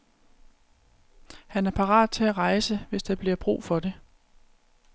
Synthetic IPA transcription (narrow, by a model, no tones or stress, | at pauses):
hænæɐpʰɑ̈ʁɑ̰̈ːd̥̚ˠt͡sʰe̝æʁɑ̈ɪsəʋe̝sd̥ɑ̈b̥liɐb̥ʁṵːfɒ̽d̥e̝